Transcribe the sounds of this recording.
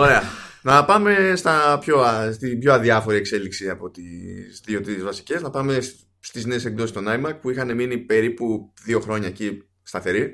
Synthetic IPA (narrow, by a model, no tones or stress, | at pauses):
o̞ɾe̞ɐnɐpɐme̞st̪ɐpço̞ɐst̪ibçoɐðiɐfo̞ɾiekse̞liksiɐpo̞t̪ist̪iot̪iðezvɐsi̥ce̞znɐpɐme̞s | st̪izne̞ːsekd̪osist̪onɐjmɐɾk̚puixɐne̞minipe̞ɾipuðio̞xɾo̞ɲɐeci | st̪ɐθe̞ɾi